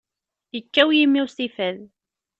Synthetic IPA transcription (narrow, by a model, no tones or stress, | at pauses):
jəkːæwjimːiwstifæð